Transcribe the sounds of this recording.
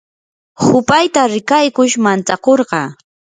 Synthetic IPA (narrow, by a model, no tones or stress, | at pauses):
hʊpajt̪aɾɪkajkʊʃmant͡sakoɾɢɑ